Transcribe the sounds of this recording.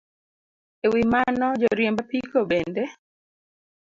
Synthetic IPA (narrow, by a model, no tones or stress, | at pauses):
ewimanɔd͡ʒɔɾjembapikobende